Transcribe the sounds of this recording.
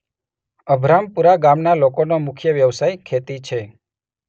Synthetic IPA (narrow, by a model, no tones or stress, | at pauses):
əbʱɾampuɾaɡamnalokonomʊkʰjəʋjəʋsajkʰet̪it͡ʃʰe